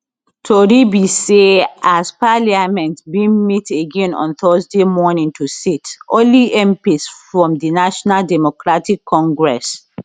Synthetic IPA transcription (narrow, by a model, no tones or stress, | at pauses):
tʰɔɹibiseaspaliamɛ̃ntbĩnmiteɡɛ̃nɔ̰̃nθɜzdemɔnĩŋtʰusitʔɔ̃liʔɛ̃mpisfɹɔ̃mdinaʃɔnaldɛmokɹatikʰːɔ̃ŋɡɹɛs